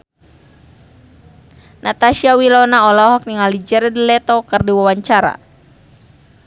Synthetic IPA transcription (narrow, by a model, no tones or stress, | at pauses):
nat̪aʃiawilɔnaɔlɔɦɔk̚niŋalid͡ʒɛɾɛdilɛt̪ɔkɨrdiwawaɲt͡ʃaɾa̰